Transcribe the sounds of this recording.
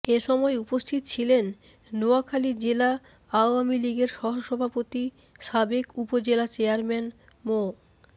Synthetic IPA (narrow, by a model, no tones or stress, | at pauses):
eʃɔmɔeupost̪ʰit̪ot͡ɕʰilenː | oakʰalid͡ʑela | aoamiliɡeɾʃɔɦoʃɔbʱapot̪i | ʃabekupod͡ʑelat͡ɕeaɾmɛn | mo